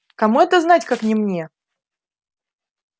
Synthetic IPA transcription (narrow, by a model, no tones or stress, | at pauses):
kɐmuɛt̪əznatʲkaknʲɪmnʲe